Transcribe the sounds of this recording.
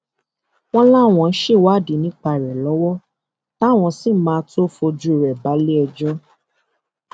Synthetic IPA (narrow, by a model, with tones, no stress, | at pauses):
w̃ɔ̃˦la˦˨w̃ɔ̃˨˧˨n̩˦ʃe˦˨wa˦˨di˨˦nĩ˦k͡pa˧˨ɾɛ˨lɔ˨˦wɔ˦ | ta˦˨w̃ɔ̃˧si˦˨˦mãː˨˧˦to˦fo˧d͡ʒu˦i˨ɾɛ˨ba˨˦le˦ɛ˧d͡ʒɔ˦